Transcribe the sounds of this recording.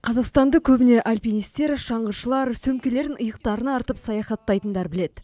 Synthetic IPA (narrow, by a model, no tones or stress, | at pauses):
qʰɑzɑqst̪ɑnd̪əkʲʰɵbɪne̞ʔalʲpʲijnijst̪e̞ɾʃɑɴʁəɾʃəlˠɑɾsɵmkʲele̞ɾɪnəjəq̚t̪ɑɾənɑɑɾt̪əpsɑjɑχɑt̪ːɑjt̪ənd̪ɑɾbɪle̞d̪ɪ